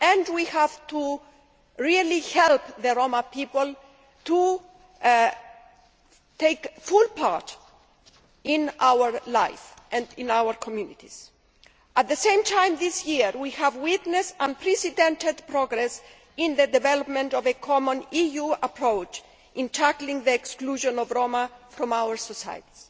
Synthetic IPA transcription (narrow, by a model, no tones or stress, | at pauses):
ɛ̃ndwihæv̥t̪u | ɹilihɛlpðəɹomapipəl̩ | t̪u | t̪eɪkfulpaɹt | ɪ̃nʔawə˞lajfʔɛ̃ndɪ̃nawəɹkʰɔmjunit̪iz̥ | ʔat̪̚ðəsẽɪ̃mtʰãɪ̃mðɪsjiɹwihævwɪt̪nɛsãnpʰɾɛsidɛ̃ntɨd̪pɹɔɡɾɛs | ɪ̃nðəd̪ɛvɛlɔpmɛ̃ntɔvɨkʰɔmɔ̃nijuapʰɹoʊt͡ʃ | ʔɪ̃ntʰæklĩŋðiɛkskluʒɔ̃nɔvɹomafɾɔ̃mawə˞sɔsa̰j̰ti̥s